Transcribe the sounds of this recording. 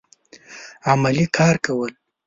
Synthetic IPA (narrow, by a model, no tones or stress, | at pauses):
amalikʰɑɾkawəl